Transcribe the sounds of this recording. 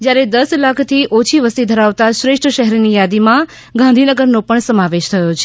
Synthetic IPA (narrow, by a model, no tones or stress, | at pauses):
d͡ʒjaɾed̪əslakʰt̪ʰiʔot͡ʃʰiʋəst̪id̪ʱəɾaʋt̪aʃɾeʂʈʰəʃəɦɛɾnijad̪imã | ɡãnd̪ʱinəɡəɾnopəɳsəmaʋeʃt̪ʰəjot͡ʃʰe